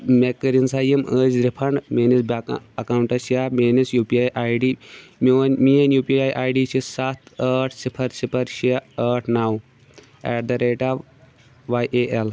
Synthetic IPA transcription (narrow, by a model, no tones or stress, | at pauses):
mekːəɾinsajiməzɾipʰɐɳɖmenisbaɐkawɳʈɐsjamenisjupiajʔaːjɖimwnmienjuːpiajʔaːjɖit͡ɕʰisat̪əʈʰsipʰɐɾsipʰɐɾɕeəʈʰnaw | ɛɖd̪ɐɾeʈaʋ | ʋajʔeʔel